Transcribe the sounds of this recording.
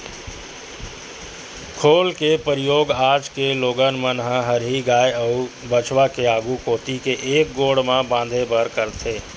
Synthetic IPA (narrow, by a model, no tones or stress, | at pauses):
kʰoːlkepəɾɪjoːɡaːd͡ʒkeloːɡənmənɦə̃ɦəɾɦiɡaːjəʊ | bət͡ʃwakeaːɡukoːt̪ikeʔeːk̚ɡoːɽmãbãːnd̪ʱebəɾkəɾt̪ʰeː